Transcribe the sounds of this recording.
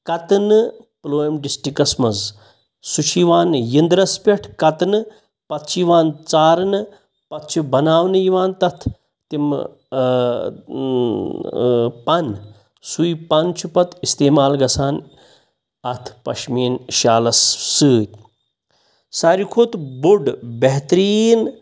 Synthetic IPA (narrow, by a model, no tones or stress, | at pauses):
kɐt̪nɨploːjmɖisʈikɐsmɐz | sut͡ʃʰiʋaːnjind̪ɾɐspʲeʈʰkɐt̪nɨ | pɐt̪ʰt͡ʃʰiʋaːnt͡saːɾnɨ | pɐt̪t͡ʃʰubɐnaːʋnɨjiʋaːnt̪ɐt̪ʰ | t̪im | pɐn | sujpɐnt͡ʃʰupɐt̪ist̪eːmaːlɡɐsʰaːn | ɐt̪ʰpɐ̰ʃmiːnʃaːlɐsːɨːt̪̚ʲ | saːɾikʰoːt̪buɖbeɦt̪ɾiːn